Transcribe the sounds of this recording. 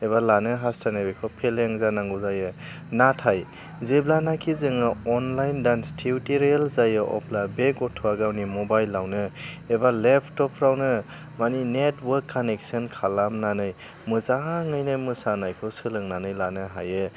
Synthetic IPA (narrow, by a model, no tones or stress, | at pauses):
eβalanɯɦastʰanabekʰɔpʰeleŋzanaŋɡuzajɯ | natʰaj | zeblanakʰizɯŋɯɔnlajndanstʰiutiɾialzajɯʔɔ̰pʰlabeɡɔtʰɔaɡawnimɔbajlːawnɯebalepʰtɔpʰɾawnɯ | maninetwəkʰːanek̚sɯnkʰalamnanɯj | mɯzaŋɯjnɯmɯsanajkʰɔsɯlɯŋnanɯjlanɯɦa̰jɯ